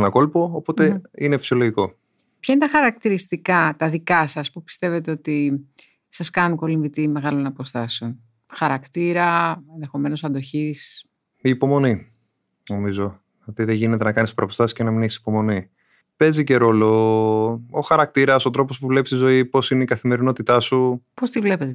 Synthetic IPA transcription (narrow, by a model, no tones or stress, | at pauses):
nɐko̞lpo̞ːpo̞t̪einefi̥sio̞loʝiko̞ | pçɐinet̪ɐxɐɾɐk̚t̪iɾist̪ikɐt̪ɐðikɐsɐspupi̥st̪e̞ve̞t̪eo̞t̪i | sɐskɐnuko̞liɱvit̪ime̞ɣɐlo̞nɐpo̞st̪ɐseo̞n | xɐɾɐkt̪iɾɐenðe̞xo̞me̞no̞sɐnd̪o̞çis | iːpo̞mo̞ni | no̞mizo̞ | ot̪iðeʝine̞t̪e̞nɐkɐnispoɾɐpost̪ɐsiscenɐminisi̥po̞mo̞ni | pe̞zice̞ɾo̞lo | oxɐɾɐk̚t̪iɾɐso̞t̪ɾo̞po̞spuvule̞pist̪izo̞ipo̞sineikɐθime̞ɾino̞t̪it̪ɐsupo̞st̪ivle̞pet̪e